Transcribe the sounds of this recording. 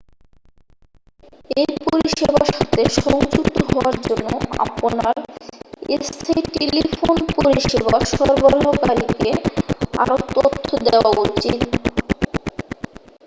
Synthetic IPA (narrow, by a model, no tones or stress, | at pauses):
eɾpoɾiʃebaʃat̪eʃɔŋd͡ʑuk̚t̪oɦɔaɾd͡ʑonːoʔa̰ponaɾest̪ʰaiʈelifʰonpoɾiʃebaʃɔɾboɾokaɾikea̰ɾot̪ot̪ʰːod̪eoaut͡ɕit̪